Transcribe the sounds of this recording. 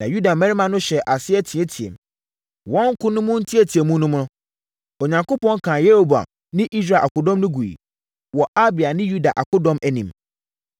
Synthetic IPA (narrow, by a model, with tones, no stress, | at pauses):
nã˨ju˦da˨mɛ̃˦ɾi˦mã˨nʊ̃˦ɕɛ˨ʔa˨sɪ˦ɛ˦tʰĩ˨ɛ˦tʰi˨ḛ˨m | wɔ̃˦ŋ̩˦kʰʊ˦nʊ̃˦mʊ̃˦n̩˦tʰi˦æ˨tʰi˨e˨mũ˦nʊ̃˦m˦nʊ̃˦ | o˨ɲã˨ŋko˦pɔ̃˦ŋ˦kʰã˨je˦ɾo˦ba̰˨ | nɪ̃˦ʔi˦s̬ɾaː˨ʔa̰˨kʊ˨dɔ̃˦mnʊ̃˦ɡu˨ḭ˨ | wɔ˨ʔa˦bɪ˨a˨nɪ̃˦ju˦da˨ʔa˨kʰʊ˦dɔ̃˦mʔæ˨nĩ˨m